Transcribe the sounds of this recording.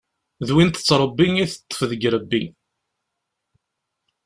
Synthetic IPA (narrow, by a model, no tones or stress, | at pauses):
ðwint̪ə̥t͡sːɾˤəbːiŋiθət̪ˤːə̥fðəɡɾəbːiŋ